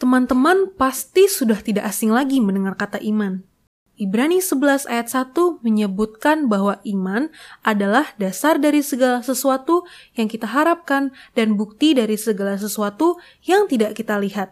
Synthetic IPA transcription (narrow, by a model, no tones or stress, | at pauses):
t̪əmant̪əmanpast̪isudaht̪idaʔasɪŋlaɡimənəŋarkat̪aʔiman | ʔibɾanisəbəlasa̰jat̪̚sat̪uməɲəbut̪̚kanbaɦwaʔimanʔadalahdasardaɾisəɡalasəsuat̪ujaŋkit̪aɦaɾap̚kandanbuk̚t̪idaɾisəɡalas̬əsuat̪u | jaŋt̪idaʔkit̪aliɦat̪̚